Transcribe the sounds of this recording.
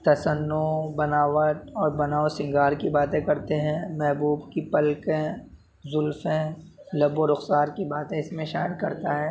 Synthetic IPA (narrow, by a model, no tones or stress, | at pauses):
t̪ɐsənːobɐnaːʋət̪ɔːɾbɐnaːosɪ̃ŋɡaːɾkibaːt̪ẽkɐɾt̪eɦɛ̃ːmɛɦbuːbkipɐlkẽ | zʊlfẽ | lɐboɾʊxsaːɾkibaːt̪ẽɪsmẽʃaːɪəd̪kɐɾt̪aɦɛː